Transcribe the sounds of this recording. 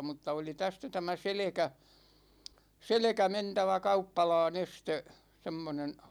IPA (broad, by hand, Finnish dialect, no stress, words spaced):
mutːɑ oli tæstæ tæmæ selekæ selekæ mentæʋæ kɑupːɑlɑːn este semːonen